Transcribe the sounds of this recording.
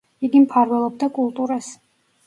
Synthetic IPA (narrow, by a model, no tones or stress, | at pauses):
iɡimpʰaɾvɛlˠɔb̚d̪akʼulˠt̪ʼuɾas